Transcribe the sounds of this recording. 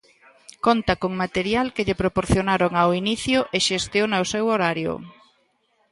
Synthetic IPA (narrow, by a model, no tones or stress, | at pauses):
kont̪akoŋmat̪eɾjalkeʎepɾopoɾθjonaɾoŋawiniθjʊʔeʃest̪jonawsewoɾaɾjʊ̰